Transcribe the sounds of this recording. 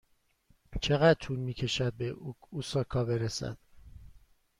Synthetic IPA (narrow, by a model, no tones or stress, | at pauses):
t͡ʃʰeɣæd̪̥̚t̪ʰunmiːcʰe̞ʃæd̪̚beusɒːkʰɒːbe̞ɾesæ̰d̪̥